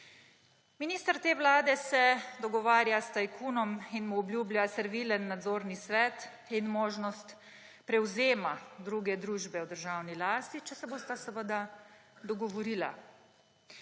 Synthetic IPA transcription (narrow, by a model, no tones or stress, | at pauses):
miniːst̪əɾt̪eːʋlaːd̪ɛsɛd̪ɔɡɔʋaːɾjast̪ajkuːnɔminmuɔblʲjuːblʲjasəɾʋiːlənːad̪zoːɾnisʋɛːt̪ | inmoːʒnɔst̪ | pɾɛwzeːmad̪ɾuːɡɛd̪ɾuːʒbɛwd̪əɾʒawnilaːst̪it͡ʃɛsɛboːst̪asəʋəd̪ad̪ɔɡɔʋɔɾiːla̰